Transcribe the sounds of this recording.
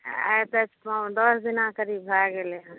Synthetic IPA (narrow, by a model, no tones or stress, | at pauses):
a̰pɛt͡ʃpãd̪ɔsd̪inakəɾibɦaɡeleɦə̃